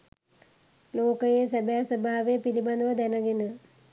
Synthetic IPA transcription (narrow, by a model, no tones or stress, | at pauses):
loːkəjesəbæːsəbaːaʋepiliband̪əʋəd̪ænəɡenə